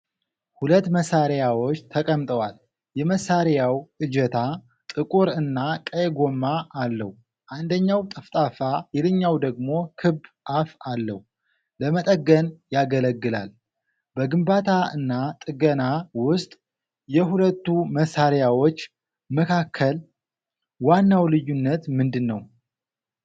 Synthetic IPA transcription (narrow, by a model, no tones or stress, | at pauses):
hulət̪ːməsaɾjawo̞t͡ʃːt̪ʰəkʼəmt̪ʼəwal | jɛməsaɾjawʔɨd͡ʒɛt̪ʰa | t̪ʼɨkʼuɾɨnːakʼəjɡo̞mːaʔːlːə̰h | ʔand̪əɲːawt̪ʼɨft̪ʼafajɛlɨɲːawd̪əɡmo̞kʰɨbːʔafalːə̰h | ləmət̪ʼəɡːənjaɡələɡːɨla̰l | bəɡɨmbat̪ʰaɨnːat̪ʼɨɡənawʊst̪ʼ | jɛɦulət̪ːuməsːaɾjawo̞t͡ʃː | məkʰakʰːəl | wanːawlɨjːunːət̪mɨnd̪ɨnːə̰w